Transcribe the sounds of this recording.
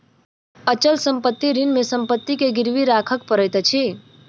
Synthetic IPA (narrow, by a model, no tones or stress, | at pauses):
ət͡ʃəlsəmpət̪ːiɾinmesə̃mpət̪ːikeɡɪɾʋiɾakʰək̚pəɾəjt̪ət͡ʃʰi